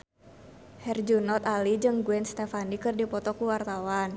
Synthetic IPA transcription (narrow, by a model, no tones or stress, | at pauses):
hɛrd͡ʒunɔt̪alid͡ʒɨŋɡuɛnst̪efanikɨrdipɔt̪ɔkuwart̪awan